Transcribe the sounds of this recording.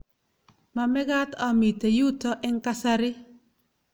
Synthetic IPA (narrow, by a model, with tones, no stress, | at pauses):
ma˨mɛ˦ɡa˦ta˨mi˨te˨ju˦tɔ˦ʔɛ˦ŋ˦ka˦sa˦ɾɪ˦